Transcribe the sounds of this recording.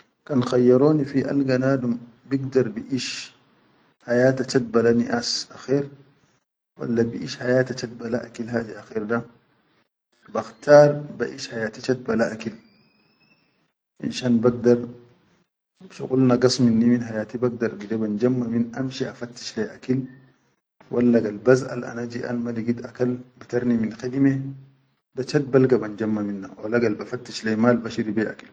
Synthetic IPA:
kanxajːaɾoːnifiʔa̰lɡanaːdum | biɡd̪ɐɾˤbiʔiʃ | hajaːt̪at͡ʃat̪̚balaniʔasʔaxeːɾ | wa̰lːabiʔiʃhajaːt̪at͡ʃat̪̚balaʔakilɦaːd̪iaxiːɾda | baxt̪aːɾˤbaʔiʃhajaːt̪it͡ʃat̪̚balaʔakil | ʔḭnʃanbɐɡ̚d̪ɐɾ | ʃɪ̰kʼʊlnaɡɐsmɪnːiminɦajaːt̪ibɐɡ̚d̪ɐɾɡɪdɛbɐnd͡ʒɐmːɐminɐmʃiɐfɐt̪ːɪ̥ʃlajɐkil | wʔalːɐɡɐlbɐza̰la̰nad͡ʒiʔa̰nmɐliɡid̪ɐkɐlbit̪ɐɾnimɪnxed̪ime | dat͡ʃɐt̪̚bɐlɡɐbɐnd͡ʒɐmːɐminːa̰wɐlaɡɐlbɐfɐt̪ːɪʃlɐjmaːlbɐʃiɾibea̰ki̥l

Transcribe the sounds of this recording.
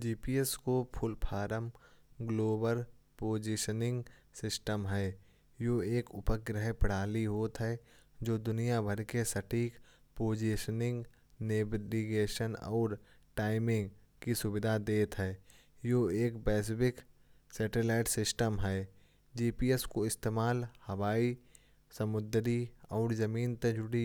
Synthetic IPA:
d͡ʒiːpiːeskopʰʊlpʰaːɾəmɡloːbəɾpoːd͡ʒiʃənɪ̃ŋɡsɪsʈəmɦɛː | joːeːkʊpəɡɾəɦpəɽ̤aːliɦoːt̪ɦɛd͡ʒoːd̪ʊnijabʱəɾkesɐʈʰiːk | poːd͡ʒiʃənɪ̃ŋɡ | neːʋiɡeːʃənɔ̰ːɾ | ʈaːɪmɪ̃ŋɡ | kisʊbɪd̪ʱad̪eːt̪ɦɛː | joeːkbɛːs̬bɪksɛːʈeːlaːɪʈsɪsʈəmɦɛː | d͡ʒiːpiːeskoɪst̪eːmaːlhɐʋaːi | sɐmʊd̪ɾiɔːɾzɐmiːnt̪ẽd͡ʒʊɽi

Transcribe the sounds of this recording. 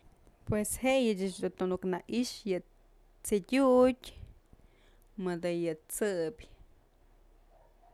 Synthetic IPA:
pweshejɨt͡ʃat͡ʃd̪unt̪unuknaʔiʃjɨ | t͡sidʲutʲ | mɨd̪ɨjɨt͡sɨpʲ

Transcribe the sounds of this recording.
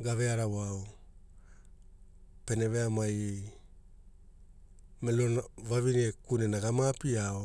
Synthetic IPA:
ɡave̞aɾawao | pe̞ne̞ve̞amaj | melonvavinekunenaɡamapiao

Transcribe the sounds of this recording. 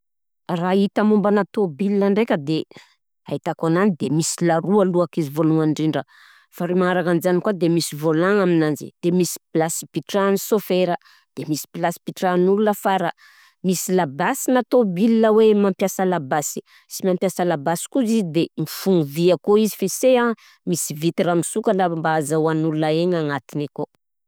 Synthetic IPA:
rait̪amumbanat̪obilinəɳɖ͡ʐekʲəd̪e | ait̪akananid̪emisilaɾualuakizivoluŋaɳɖ͡ʐiɳɖ͡ʐə | faɾimaaɾakanizanikwad̪emisivolaŋaminanzḭd̪̥emisi̥pilasi̥piʈ͡ʂanisofeɾə | d̪̥emisi̥pilasi̥piʈ͡ʂanulunəfaɾa | misilabasinat̪obilnəwemampjasalabasi̥ | simampjasalabasi̥kuzizd̪emifuŋuviakoizifesea | misivit̪eɾamisukanambaazawanulunaeɲaŋat̪ineko

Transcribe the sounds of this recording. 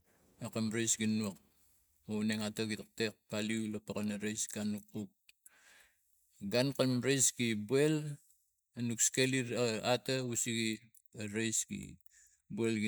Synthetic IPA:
ekamɾejsɡinuak̚ | uneŋataɡitk̚tek̚paliulapakanaɾejsɡanukːuk̚ | ɡankamɾejsɡibuel | anukskeliɾaatausiɡi | aɾejskḭ | buelɡi

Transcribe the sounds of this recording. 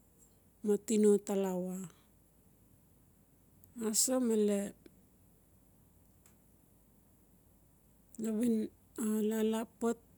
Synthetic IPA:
matinotalawa | asomale | laβin | alalapot̚

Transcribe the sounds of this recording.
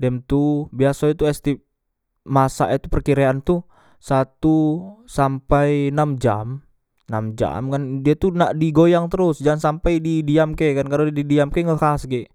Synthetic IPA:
dɛmt̪ubiasait̪uɛst̪ip̚ | masa̰ʔit̪upərkiɾeant̪u | sat̪usampajnamd͡ʒa̰m | namd͡ʒa̰mkandiat̪unaʔdiɡojaŋt̪əɾʊsd͡ʒansampajdidiamkɛkankaɾudidiamkɛŋəhasɡɛʔ

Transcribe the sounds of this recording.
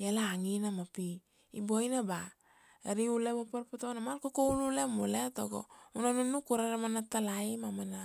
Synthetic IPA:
jalaːŋinamapi | ibojnaba | ɾiulebopaɾpotonamalkokounulemuletoɡo̰unanunukuɾaɾamanatalaimamana

